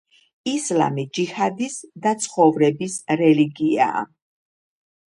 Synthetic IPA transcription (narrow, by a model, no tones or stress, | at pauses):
isla̰mid͡ʒihad̪isd̪at̪sʰχɔvɾɛbisɾɛliɡia̰ː